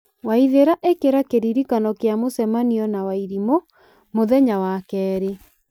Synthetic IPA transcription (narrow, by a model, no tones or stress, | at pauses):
waiðeɾaʔekeɾakeɾiɾikanɔkeamosɛmaniɔnawaiɾimo | moðɛɲawakɛːɾe